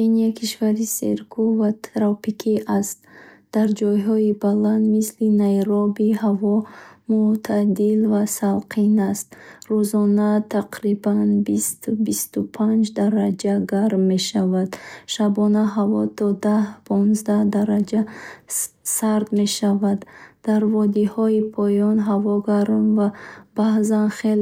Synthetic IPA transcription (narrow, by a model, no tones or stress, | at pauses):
inakʰiʃvaɾisḛɾkʰuvat̪ʰɾɔpikʰiʔast̪d̪̥aɾd͡ʒɔjɦɔibaland̪mislinajɾɔbihavɔmut̪ʰad̪ilvasalqʰinast̪̚ɾuzɔnat̪ʰaqɾibanbist̪bist̪upʰand͡ʒd̪aɾad͡ʒaɡaɾmːe̞ʃavad̪̥ʃabɔnaɦavɔt̪ʰɔd̪ahpʰɔnzd̪ahd̪aɾad͡ʒa | saɾd̪me̞ʃavad̪̥ːaɾvɔd̪ihɔipʰɔjɔnɦavɔɡaɾmvab̥ahzanχel